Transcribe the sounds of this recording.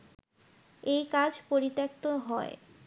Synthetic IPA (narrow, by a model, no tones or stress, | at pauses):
ejkad͡ʑʱpoɾit̪ːek̚t̪oɦɔe